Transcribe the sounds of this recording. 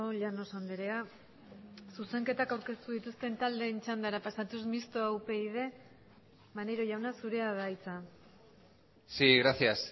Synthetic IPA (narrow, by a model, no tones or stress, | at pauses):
oʎano̞sand̪eɾe̞a | suse̞ŋke̞t̪akawɾke̞st̪uðit̪ust̪e̞nt̪ald̪e̞ːnt͡ʃand̪aɾapasat̪usmist̪oawpe̞ið̞e̞ | maneɾo̞ʝawnasuɾe̞aðajt͡sa | siɣɾasias